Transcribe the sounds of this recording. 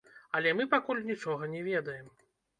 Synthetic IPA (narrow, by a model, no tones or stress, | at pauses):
ɐlʲɛmɨpakulʲnʲit͡ʂɔɣɐnʲɛvʲɛd̪ɐjɛm